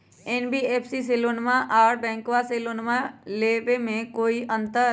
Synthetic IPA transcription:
enbiːeːpʰsis̬eloːnmãʔaːɽbɛ̃ːŋkʋaselonmãleːʋemẽkoːiʔə̃nt̪əɾ

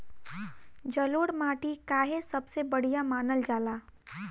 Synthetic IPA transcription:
d͡ʒəloːɽmaːʈikaːɦesəbsebəɽ̤ijamaːnəld͡ʒaːlaː

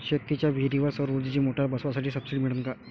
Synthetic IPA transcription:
ɕekːit͡ɕjaʋʱiɾiʋəɾsɔɾud͡ʑ̪id͡ʑimoʈʰjabəsʋasaʈʰiːsəb̥siɖimiɭənka

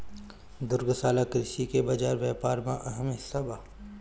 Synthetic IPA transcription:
d̪ʊɾɡsaːlakɾɪʃikebɐd͡ʒaːɾʋjɛːpaːɾmã̰ʔɐɦəmɪsabaː

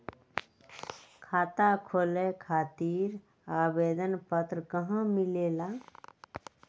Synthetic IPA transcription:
kʰaːt̪akʰoːlekʰaːt̪iːɾ | aːbeːd̪ənpət̪ɾəkəɦãmɪleːlaː

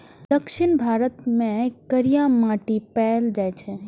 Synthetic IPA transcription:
d̪əkʃɪnbʱaːɾət̪mẽkəɾijamaːʈipɛːld͡ʒaːjt͡ʃʰɛ

